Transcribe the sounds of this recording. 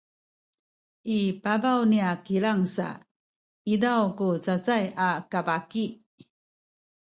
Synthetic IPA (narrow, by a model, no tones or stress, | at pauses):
ipabawniakiɭaŋsa̰ | idawkut͡sat͡sajakabaki